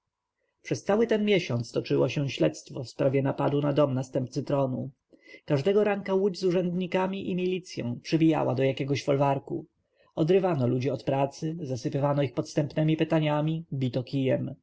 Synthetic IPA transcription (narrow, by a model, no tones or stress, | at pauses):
pʂɛst̪sawɘt̪ɛnmʲjɛɕɔnt̪st̪ɔt͡ʂɘwɔɕɛ̃ɕlɛt̪st̪fɔfspɾavʲjɛnapad̪unad̪ɔmnast̪ɛmp̚t̪sɘt̪ɾɔnu | kaʐd̪ɛɡɔɾaŋkawud͡ʑzuʐɛnd̪ɲikamʲiʔimʲilʲit̪sʲjɔ̰̃w̃pʂɘbʲija̰wa̰d̪ɔjakʲɛɡɔɕfɔlvaɾkṵ | ɔd̪ɾɘvanɔlud͡ʑiɔt̪pɾat̪sɘzasɘpɘvanɔixpɔt̪st̪ɛmpnɛmʲipɘt̪aɲamʲibʲit̪ɔkʲʰijɛm